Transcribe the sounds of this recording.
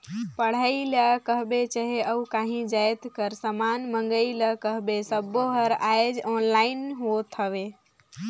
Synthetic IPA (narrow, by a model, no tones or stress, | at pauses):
pəɽ̤əiləkəɦbet͡ʃəɦeəukaɦĩd͡ʒajt̪kəɾsəmanməŋɡəiləkəɦbesəbːoɦəɾajd͡ʒɔnlainɦot̪ʰəbe